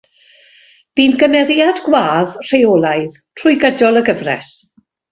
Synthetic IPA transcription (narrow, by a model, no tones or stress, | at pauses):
b̥iːnɡəmɛɾiadɡwaːðr̥ejɔːlˠajð | tʰrʊjɡədɔlˠəɡəvrɛ̰s